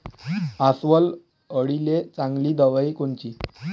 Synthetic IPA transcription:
asʋəl | əɽilet͡sãŋɡliːd̪əʋaiːkoɳt͡ɕiː

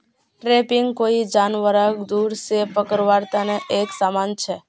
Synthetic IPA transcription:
ʈɾepɪŋɡkoid͡ʒanʋəɾaɡd̪uɾsepəkəɾʋaɾt̪aneʔeksamant͡ʃʰe

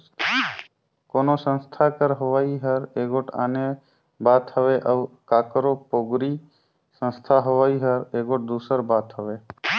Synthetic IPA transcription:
koːnosə̃nst̪ʰakəɾɦoʋaːiɦəɾeːɡoʈʰa̰ːne | baːt̪həʋeʔəkaːkɾopoːɡɾi | sə̃nst̪ʰaɦoʋaːiɦəɾeːɡoʈ̚d̪uːsəɾbaːt̪ɦəʋe

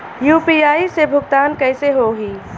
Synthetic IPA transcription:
juːpiːaːisebʱʊɡt̪aːnkɛːseɦoːɦiː

